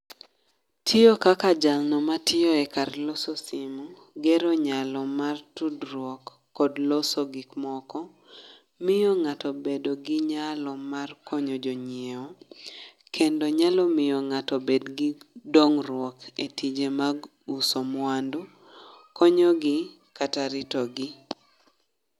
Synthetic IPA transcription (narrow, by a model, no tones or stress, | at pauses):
tʰɪjɔkakad͡ʒaŋnɔmatʰɪjɔɛkarlɔsɔsimu | ɡɛɾɔɲalɔmartudɾwɔkː | ɔdlɔsoɡikmɔkɔ | mɪjɔŋatɔbedoɡɪɲalɔmarkɔɲɔd͡ʒɔɲieɔ | kʰendoɲalɔmɪjɔŋatɔbedɡɪdoŋɾwɔketid͡ʒemaɡ | usomwandu | kɔɲɔɡɪ | kataɾɪtɔɡi